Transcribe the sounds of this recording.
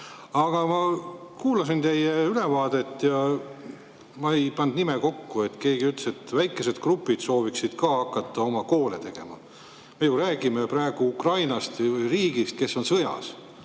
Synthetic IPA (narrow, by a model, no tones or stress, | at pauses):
ɑɡ̥ɑmɑkuːlɑsint̪e̞jeylevɑːd̪̥e̞t̪ːjɑ | mɑejpɑnd̪nimeko̞kːue̞t̪ːke̞ːɡ̥iyt̪ːse̞t̪ːvæjkːˑe̞se̞d̪̥krupːˑid̪̥so̞ːviksid̪̥kɑːɑkːˑɑt̪ˑːɑo̞mɑko̞ːlet̪e̞ɡ̥e̞̰mɑ̰ | mejuɾæːɡime̞prɑe̞ɡ̥uukrɑjnɑst̪vɤjriːɡ̥ist̪̚ke̞sːo̞nsɤjɑ̰s